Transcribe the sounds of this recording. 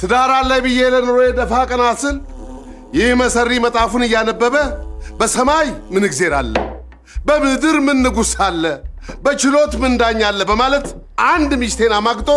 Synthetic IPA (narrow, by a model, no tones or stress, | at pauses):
t̪ʰɨd̪aɾalajbɨjːelənoɾojɛd̪əfakʼənasɨl | jɪhməsərːimət̪ʼafunɨjːanəbːəβəbəsəmajmɨnɨɡze̞ɾalːə̰ | bəmɨhd̪ɨɾmɨnːɨɡusalːəbət͡ʃɪlo̞t̪mɨnd̪aɲːalːəbəmalət̪ʔand̪miʃt̪ʰe̞namaɡt̪ʼo